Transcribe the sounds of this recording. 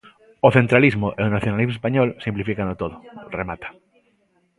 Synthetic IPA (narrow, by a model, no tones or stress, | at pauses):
oθent̪ɾalizmoʔeonaθjonalizmospaɲɔlsĩmplifikanot̪oðoremat̪ḁ